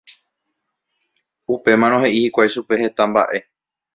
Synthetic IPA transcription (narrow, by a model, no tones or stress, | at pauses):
upe̞mãɾ̃õɦe̞ʔihikʷajʃupe̞he̞t̪ãmba̰ʔe̞